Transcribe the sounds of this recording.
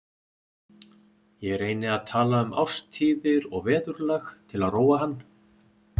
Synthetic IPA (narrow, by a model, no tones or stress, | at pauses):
jɛɣɛɾeːjnɪaðt̪ʰaːlaʏma̰wst̪ʰiːvɪɾɔɣvɛːðʏɾlɛxt̪ʰɪlaðroːwaɦanː